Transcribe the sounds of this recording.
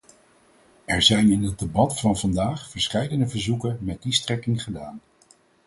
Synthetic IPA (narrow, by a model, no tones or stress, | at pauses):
ɛɹzɛjnɪnəd̚debɑtfɑnvɑndaːχfəɹsχɛjdənəvəɹzukənmɛt̚distrɛkɪŋχədaːn